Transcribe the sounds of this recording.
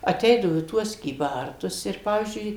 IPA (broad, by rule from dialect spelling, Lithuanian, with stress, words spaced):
ɐˈtʲɛɪdɐʋoː iː ˈtuɔs kʲiːˈbɐrtʊs ɪr ˈpɑːʋʲiːzʲd͡ʒʲʊɪ